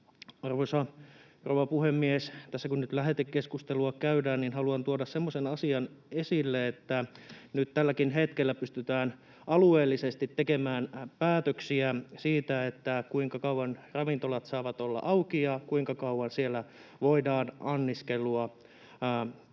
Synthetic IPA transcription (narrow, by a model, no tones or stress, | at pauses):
ɑrʋosɑ | rowʋɑpuhemːiest̪æsːækunnyt̪læɦet̪ekkeskust̪eluɑkæydæːnninɦɑluɑnt̪uɑdɑssemːosenɑsiɑnesilːeet̪ːænyt̪t̪ælːækinɦet̪kelːæpyst̪yt̪æːn | ʔɑlueːlːisest̪it̪ːekemæːnpæːt̪øksiæsiːt̪æet̪ːækuiŋkɑkɑuwɑnrɑʋint̪olɑt̪sɑːʋɑt̪olːɑ̰ʔɑwkijɑkuiŋkɑkɑuʋɑnsielːæ | ʋoidɑːnɑnːiskeluɑ